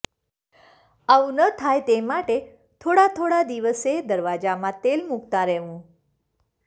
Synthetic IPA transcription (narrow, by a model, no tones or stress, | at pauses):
aũnət̪ʰajt̪emaʈe | t̪ʰoɽat̪ʰoɽad̪iʋəsed̪əɾʋad͡ʑamãt̪elmuɡt̪aɾeʋũ